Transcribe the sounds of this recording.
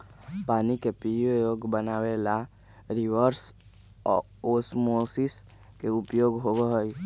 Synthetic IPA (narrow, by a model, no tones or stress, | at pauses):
paːnikepijojoɡbənaːʋela | ɾiʋəɾs | osmosis | keupjoːɡɦobeɦoj